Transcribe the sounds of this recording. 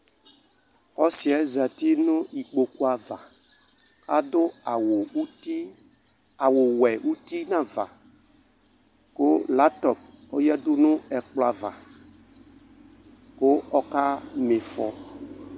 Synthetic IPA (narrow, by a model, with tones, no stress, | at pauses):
ɔ˦si˨ɛ˨˦za˨ti˦nʊ̃˦i˨k͡po˨ku˦a˨va̰˨ | ka˦dʊ˦˨wi˦ | a˨wʊ˨wɛ˨ʔu˦ti˦nã˦va̰˨ | kʊ˦la˨˦tɔ˨p̚ɔ˦jɛ˦dʊ˦nʊ̃˦ɛ˨k͡plo˦a˨va̰˨ | ko˦ɔ˦ka˦me˨fɔ̰˨